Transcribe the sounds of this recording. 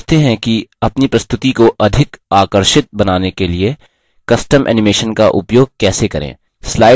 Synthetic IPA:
t̪eɦɛ̃kiɐpnipɾɐst̪ʊt̪ikoʔɐd̪ʱɪkaːkəɾʃɪt̪̚bɐnaːnekelie | kɐsʈəmʔɛ̰ːnɪmeːʃənkaʔʊpjoːɡ̚kɛːsekɐɾḛ̃ː | slaːɪ

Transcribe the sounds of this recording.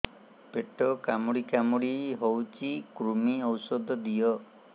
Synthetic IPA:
peʈɔkamuɽikamuɽiɦowt͡ʃikɾumiɔwsɔd̪ʱɔd̪ijɔ

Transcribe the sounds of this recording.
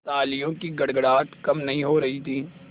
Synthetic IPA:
t̪aːlijõkiɡɐɽɡɽaːt̪kɐmnɐɦĩɦoːɾɐɦit̪ʰiː

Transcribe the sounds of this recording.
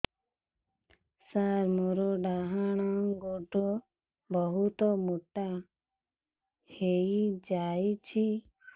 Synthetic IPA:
saɾmuɾuɖaɦaɽ̃ɔŋɡoɖo | bɔɦut̪ɔmuʈa | hejd͡ʒajt͡ʃʰi

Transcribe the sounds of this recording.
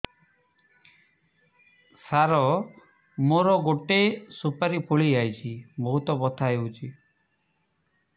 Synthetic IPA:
saɾɔ | moɾɔɡoʈesupaɾipʰuɭiajt͡ʃʰibɔɦut̪ɔbɔt̪ʰaɦewt͡ʃʰi

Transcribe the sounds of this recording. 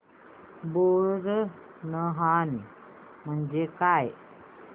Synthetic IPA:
buɾɾə | nəɦani | mənd͡ʒekaj

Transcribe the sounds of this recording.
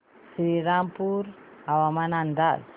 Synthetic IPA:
sɾiɾampuɾ | awamanand̪ad

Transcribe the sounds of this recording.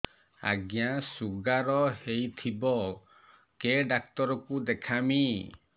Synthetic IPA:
a̰ɡjasuɡaɾɔhejt̪ʰibɔ | keɖak̚t̪ɔɾɔkud̪ekʰami

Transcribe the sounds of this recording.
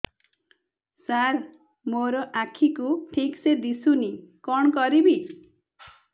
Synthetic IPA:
saɾ | moɾɔʔakʰikuʈʰiksed̪isunikɔɳ̃kɔɾibi

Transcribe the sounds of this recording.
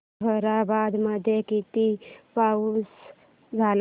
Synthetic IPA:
əɾabad̪məd̪ʱjekit̪ipauːs | d͡zʱal

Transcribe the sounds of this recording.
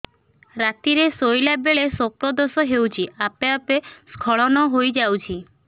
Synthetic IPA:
ɾat̪iɾesojlabeɭesokɾɔd̪osɔɦewt͡ʃʰiapeapeskʰɔɭɔnɔɦojd͡ʒawt͡ʃʰi

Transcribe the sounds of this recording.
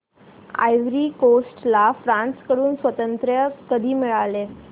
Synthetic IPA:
a̰jʋɾiːkosʈlafɾãnskəɽuːnsʋət̪ənt̪ɾjəkəd̪ʱiːmiɭale

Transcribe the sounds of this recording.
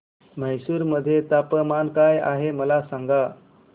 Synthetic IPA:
m̤əjsuːɾməd̪ʱːjet̪apəmankaja̰ɦeməlasaŋɡa

